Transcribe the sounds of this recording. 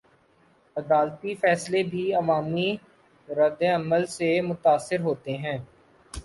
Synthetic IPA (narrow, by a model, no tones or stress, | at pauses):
ɐd̪aːlt̪ifɛːslebʱiɐʋaːmi | ɾɐd̪eɐməlsemʊt̪aːsːɪɾɦoːt̪eɦɛ̃ː